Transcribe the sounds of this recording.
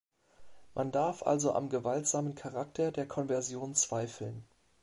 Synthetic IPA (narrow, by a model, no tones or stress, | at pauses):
mʔandaɐfʔa̰lzoʔa̰mɡəvaltz̥aːmənkʰaʁaktʰɐdeːɐkʰɔnvɛɐzjoːnt͡sv̥aɪfl̩n